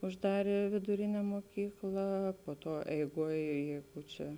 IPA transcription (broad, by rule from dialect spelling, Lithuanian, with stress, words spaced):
ʊʒˈdɑːrʲeː ʋʲɪdʊˈrʲɪnʲɛ muɔˈkʲiːklˠɐ poː ˈtuɔ ɛɪˈɡuɔj ˈjɛɪɡʊ ˈt͡ʃʲɛ